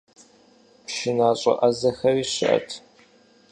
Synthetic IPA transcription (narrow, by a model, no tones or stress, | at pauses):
pʃɪnaːɕʼɐ̰ʔɐzɐxɐriːɕɪ̰ʔɐ̰tʰ